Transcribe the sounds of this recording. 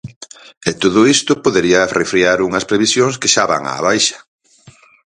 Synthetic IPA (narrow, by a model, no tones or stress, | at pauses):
et̪oðʊist̪ʊpoðeɾiɐrʔefɾiaɾuŋɐspɾeβisjoŋskeʃaβa̰ŋa̰ːβajʃɐ̥